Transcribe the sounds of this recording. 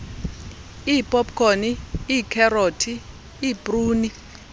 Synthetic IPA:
ipʼɔpʼkʰʼoniːkʰɛrotʰiː | bruːni

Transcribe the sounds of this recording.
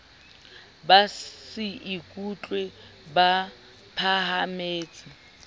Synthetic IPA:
basɪɪkʼut͡ɬʼwe | ba | pʰahameːt͡sʼɪ

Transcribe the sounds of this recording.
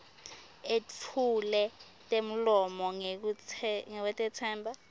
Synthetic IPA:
ett͡fʰulɛ | tʼem̩lɔmɔŋk̬uŋɛkwɛtʼɛt͡sʰɛːmbʱa

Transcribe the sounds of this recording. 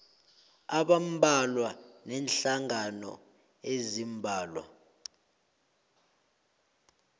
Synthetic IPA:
aɓam̩bʱalwanɛnɬaŋanɔ̰ | ezimbʱaːlwa̰

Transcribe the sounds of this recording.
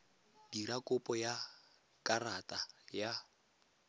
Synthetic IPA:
diɾakʼʊpʼɔja | kʼaratʼaja

